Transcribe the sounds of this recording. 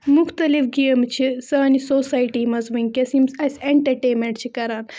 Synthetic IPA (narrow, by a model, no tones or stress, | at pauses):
muxt̪ɐlifɡeːmt͡ʃʰisɐːnisoːsaːjʈiːmɐzʋiŋɡkɐsimsɐsʲeɳʈɐɾʈeːmeɳʈ̚t͡ʃʰikɐɾaːn